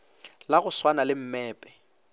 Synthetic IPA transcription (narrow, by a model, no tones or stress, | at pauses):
laɣʊswanalɪm̩mɛːpʼɛ̥